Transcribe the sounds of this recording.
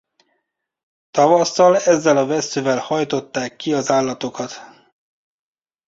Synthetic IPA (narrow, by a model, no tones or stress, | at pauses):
t̪ɒvɒsːɒlɛzːɛlɒvɛsːyvɛlhɒjt̪o̞t̪ːaːkːiɒzaːlːɒt̪o̞kɒt̪